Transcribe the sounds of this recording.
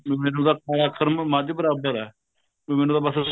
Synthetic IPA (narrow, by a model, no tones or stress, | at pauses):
mɛːnũːd̪aːk̚aɾaːkʰəɾmmãːd͡ʒ̪iːbəɾaːbəɾɛː | mɛːnũːd̪aːbəs